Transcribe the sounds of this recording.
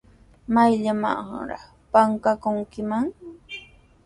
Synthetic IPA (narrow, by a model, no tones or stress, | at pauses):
majʎama̰ɢɑ̰ɾɑ̰χ | paŋkakʊŋkɪmaŋ